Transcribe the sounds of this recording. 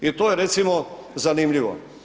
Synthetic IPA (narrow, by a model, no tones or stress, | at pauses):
it̪oːjeɾet̪simozanimʎiʋo̰